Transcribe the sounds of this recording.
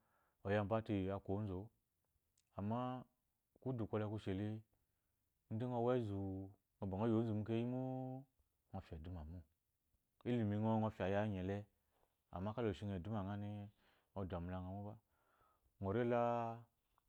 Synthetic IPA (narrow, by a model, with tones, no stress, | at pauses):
ɔ˨ja˧˨mba˦ti˨a˧ko˨˦n̩˦zo˨˦ | a˨mːa˦ | ku˦du˨kʷo˧lɛ˧ku˧ʃe˨le˦ | n̩˦di˦ŋo˦˧wɛ˦zu˨ | ŋo˨ba˨ŋo˦jo˨˦zu˨mu˦ke˦ji˦mu˦ | ŋo˧˨fʲe˨du˦ma˨mu˦ | i˦li˨mi˧ŋɔ˦ŋo˧fi˨a˨ja˦ɲɛ˨lɛ˦ | a̰˨ma˦ka˦lo˨ʃi˧ŋe˨du˦m˦a˨ŋa˦ni˧ | o˧da˨mu˨la˧ŋa˨mu˦ba˦ | ŋo˨ɾe˦la˦